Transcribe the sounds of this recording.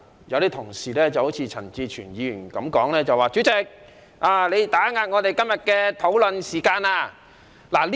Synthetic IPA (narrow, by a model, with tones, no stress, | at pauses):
jɐ˨˧wt̪iː˥t̪ʰʊ˨˩ŋsiː˨˩lɛː˥˩t͡sɐ˨˩who˨˥wt͡sʰiː˧t͡sʰɐ˨˩nt͡siː˧t͡ʃʰyː˨˩njiː˨˧jyː˨˩nkɐ˨˥mkɔː˨˥ŋlɛː˥˩t͡sɐ˨˩waː˨˩t͡ʃy˨˥t͡sɪ˨˧k̚ | ʔaː˨˩le˨˧jt̪aː˨˥ŋaː˧t̚ŋɔː˨˧t̪e˨jkɐ˥mjɐ˨t̚kɛː˧t̪ʰo˨˥wlɵ˨˧nsiː˨˩kaː˧naː˧ | laː˨˩l